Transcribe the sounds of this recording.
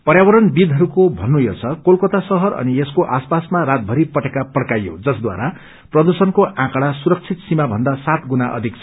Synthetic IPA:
pʌɾjawʌɾʌnbid̪ʱɦʌɾukobʱʌnːujot͡sʰʌkolkot̪asʌɦʌɾʌ̰nieskoʔaspasmaɾat̪̚bʱʌɾipʌʈekapʌɽkajo̰d͡zʌsd̪wa̰ɾa | prʌd̪usʌnkoʔãkɽasuɾʌk̚t͡sʰit̪simabʱʌnd̪asat̪ɡunaʔʌ̰d̪ʱik̚t͡sʰ

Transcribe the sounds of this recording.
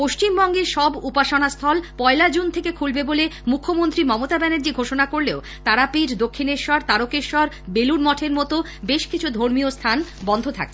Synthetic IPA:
poʃt͡ɕimbɔŋɡeɾʃɔbupaʃanast̪ʰɔlpɔelad͡ʑunt̪ʰekekʰulbebolemukʰːomont̪ɾimɔmot̪abɛneɾd͡ʑiɡʱoʃonakoɾleo | t̪aɾapiʈd̪okʰːineɾʃɔɾt̪aɾokeɾʃɔɾ | beluɾmɔʈʰeɾmɔt̪o | beʃkit͡ɕʰud̪ʱoɾmiost̪ʰanbɔnd̪ʱot̪ʰa̰k̚ʰe̥

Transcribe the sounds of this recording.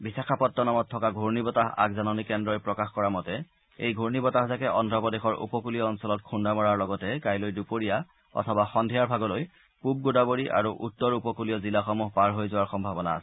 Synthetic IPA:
bisakʰapɔtːɔnamɔttʰːɔkaɡʱoɹnibɔtaɦa̰kzanɔnikɛndɹɔjpɹɔkaxkɔɹamɔtɛ | ejɡʱoɹnibɔtaɦzakɛʔɔndʱɹɔpɔdexɔɹʔṵpɔkulijɔːnsɔlɔtkʰundamɔɹaɹlɔɡɔtɛkajlojdupoɹija | ɔ̰tʰɔbaxɔndʱiaɹbʱaɡɔloj | pub̚ɡodaboɹiʔa̰ɹuʔutːɔɹupɔkulijɔzilaxɔmuɦpaɹɦojzʊwaɹxɔmbʱabɔna̰ːsɛ̥

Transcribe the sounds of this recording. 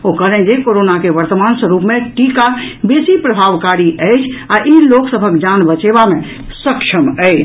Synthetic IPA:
okəɾɛ̃d͡ʒekoɾonakeʋəɾt̪əmansə̃ɾupmeʈikabesipɾəbʱaʋkaɾiʔəɪt͡ʃʰaʔiloksəbʱəkd͡ʒanbət͡ʃebame | səkʃʰəməɪt͡ʃʰ

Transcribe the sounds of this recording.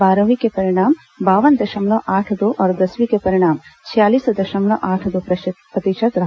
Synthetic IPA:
baːɾɐʋikepɐɾiɽ̃aːm | baːʋɐnd̪ɐʃɐmloʔaːʈʰd̪oːʔɔːɾd̪ɐsʋikepɐɾɪɽ̃aːmt͡ʃʰijaːliːsd̪ɐʃɐmɭoʔaːʈʰd̪opɾɐpɾɐt̪iʃɐt̪ɾɐ

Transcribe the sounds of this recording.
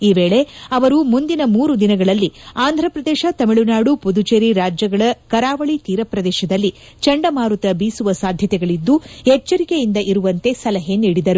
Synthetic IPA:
iːʋeːɭe̞ɐʋɐɾumund̪inɐmuːɾud̪inɐɡɐɭɐlːiaːnd̪ʱɾɐpɾɐd̪ɛːʃɐt̪ɐmiɭunaːɽupud̪ut͡ʃeɾiɾaːd͡ʒjɐɡɐɭɐkɐɾaːʋɐɭit̪iːɾɐpɾɐd̪ɛːʃɐd̪ɐlːi | t͡ʃɐɳɖɐmaːɾut̪ɐbiːsuʋɐsaːd̪ʱjɐt̪ɛɡɐɭid̪ːuhɛt͡ʃːɐɾikejind̪ɐʔiɾuʋɐnt̪e̞sɐlɐɦe̞niːɽid̪ɐɾu

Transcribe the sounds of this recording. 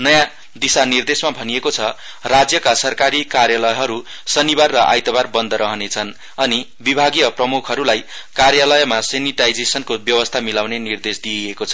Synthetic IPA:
nʌjã | d̪isanird̪esmabʱʌnijekot͡sʰʌ | rad͡zjʌkasʌrkaɾikarjalʌjʌɦʌɾu | sʌnibarːʌʔa̰jt̪ʌbarbʌnd̪ʌɾʌɦʌnet͡sʰʌn | ʌni | bibʱaɡijʌprʌmukʰʌɾulajkarjalʌjʌmaseniʈajd͡zesʌnkobjʌwʌst̪ʰamilawnenird̪esd̪iekot͡sʰʌ

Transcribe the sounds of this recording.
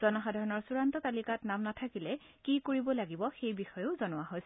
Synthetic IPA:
z̥ɔnɔxadʱaɹɔnɔɹsuɹantɔtalikatnamnatʰakilɛ | kikoɹibɔlaɡibɔxejbixɔjoʊzɔnʊwaɦojs

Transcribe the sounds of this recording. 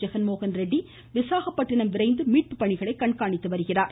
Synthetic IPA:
d͡ʒɛɣɐnmoːɣɐnɾɛɖːi | ʋɪsaːɣɐpːɐʈːɪɳɐmʋɪɾɐɪnd̪ɯmiːʈ̚pɯpːɐɳɪɣɐɭɐɪkːɐɳkaːɳɪt̪ːɯʋɐɾɯɣɪraːɾ

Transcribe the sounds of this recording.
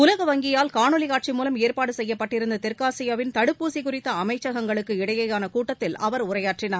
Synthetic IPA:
ʊlɐɣɐʋɐŋɡɪjaːlkaːɳɯlɪkaːʈ̚t͡ʃimuːlɐmeːɾpaːɽɯsɛjːɐpːɐʈːɪɾɯnd̪ɐt̪ɪɾkaːsɪjɐʋɪnt̪ɐɽɯpːuːsikʊrɪt̪ːɐɐmɐɪt͡ʃːɐɣɐŋɡɐɭɯkːɯɪɽɐjɐjaːnɐkuːʈːɐt̪ːɪlɐʋɐɾʊrɐjaːʈrɪnaːɾ

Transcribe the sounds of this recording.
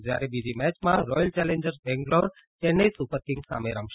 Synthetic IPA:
d͡ʒjaɾebid͡ʒimɛt͡ʃmãɾɔjəlt͡ʃɛlẽɲd͡ʒəɾsbɛ̃ŋɡloɾ | t̪enːeisupəɾkĩŋɡsa̰meɾamʃ

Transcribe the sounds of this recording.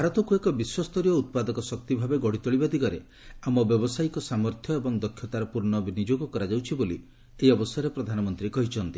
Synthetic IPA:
bʱaɾɔt̪ɔkuekɔbiswɔst̪ɔɾijɔut̪̚pad̪ɔkɔsɔk̚t̪ibʱabeɡɔɽit̪ɔɭibad̪iɡɔɾe | amɔbjɔbɔsajkɔsamɔɾt̪ʰjɔebɔŋd̪ɔkʰjɔt̪aɾɔpuɾɳɔbinid͡ʒoɡɔkɔɾad͡ʒawt͡ʃʰiboli | t̪eiɔbɔsjɔɾepɾɔd̪ʱanɔmɔnt̪ɾikɔɦit͡ʃʰɔnt̪i

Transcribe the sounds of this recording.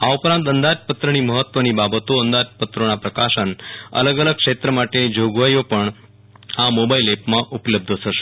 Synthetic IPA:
aupɾãnt̪ənd̪ad͡ʒpət̪ɾəniməɦət̪ːʋənibabət̪oə̃nd̪ad͡ʒpət̪ɾonapɾəkaʃənə̰ləɡələɡ̚kʃet̪ɾəmaʈed͡ʒoɡʋajopəɳ | amobailepmãʔupləb̚d̪ʱət̪ʰəʃe̥

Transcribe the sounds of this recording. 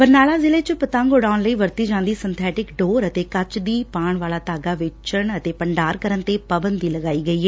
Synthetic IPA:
pəɾnaːlaːzɪleːt͡ʃəpət̪ãːŋɡoːɽaːʊnləiːʋəɾt̪iːd͡ʒãːnd̪iːsɪnt̪ʰɛːʈɪkɖoːɾət̪eːkət͡ʃd̪iːpaːɳʋaːlaːt̪aːɡaːʋɪt͡ʃəɳət̪eːpəɳɖaːɾkəɾənt̪eːpəbənd̪iːləɡaːiːɡəiːɦɛː

